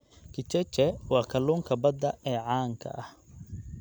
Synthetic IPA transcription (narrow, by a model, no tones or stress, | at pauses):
kʰɪt͡ʃɛt͡ʃɛwɑːkʰɐluːŋkʰɐbɐd̪ːɐɛːʕaːŋkʰɐ̰ʔɐh